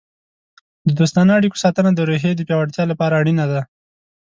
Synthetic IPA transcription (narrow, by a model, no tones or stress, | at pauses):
d̪əd̪ost̪ɑnəaɽiko̥sɑt̪ənad̪əɾoɦed̪əpjɑwaɽt̪jɑlapɑɾaːɽinad̪a